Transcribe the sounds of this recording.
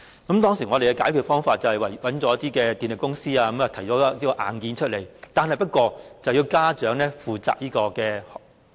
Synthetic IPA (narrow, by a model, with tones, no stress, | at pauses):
kɐ˨˥mt̪ɔː˥ŋsiː˨˩ŋɔː˨˧ɾe˨jkɛ˧kaː˨˥jkʰyː˨˧t̚fɔː˥ŋfaː˧t̚t͡sɐ˨whɐ˨jwɐ˨˩jwɐ˨˥nt͡sɔː˨˥jɐ˥t̪iː˥kɛː˧t̪iː˨nlɪ˨˩kʊ˥ŋsiː˥aː˧ɐ˨˦mɐː˨˩t̪ʰɐ˨˩jt͡sɔː˨˥˧liː˦˥kɔː˧ʔa̰ː˨nkiː˨˧nt͡ʃʰɵ˥t̚le˨˩jt̪aː˨nɦɐ˨jpɐ˥t̚kɔː˧t͡sɐ˨wji˧wkaː˥t͡ʃœː˨˥ŋlɛ˥fuː˨t͡sa̰ː˨k̚jiː˥kɔː˧kɛː˧